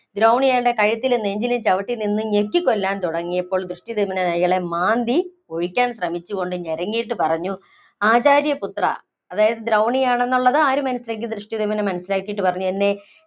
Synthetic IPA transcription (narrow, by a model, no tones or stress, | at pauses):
d̪ɾɐwɳijaːjɖe̞kɐɻit̪ːilenːeɲd͡ʑilimt͡ɕɐʋɐʈːilninːɨɲekʲːikːo̞lːaːnt̪uɽɐŋːijɐpːo̞ːɭd̪rɨʂʈiðemɐnɐnɐjɣɐɭe̞maːnd̪i | o̞ɻikʲːaːnɕrɐmit͡ɕːuɣo̞ɳɖɨɲeɾɐŋːijiʈ̬ːɨpɐrɐɲːu | aːt͡ɕaːɾjɐput̪rɐ̰ː | ðaːjɐðɨd̪ɾɐwɳijaːɳe̞nːuɭːɐðɨaːɾumɐnɐsːilaːkɨd̪rɨʂʈiðemɐnɐmɐnɐsːilaːkːijiʈ̬ːɨpɐrɐɲːut̪ɐnːe̞